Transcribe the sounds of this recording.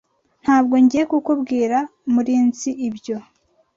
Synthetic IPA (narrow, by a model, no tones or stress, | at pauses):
n̥haːbɡo̞ɲɟiekukubɡiːɾamuɾiːnziʔibɟo̞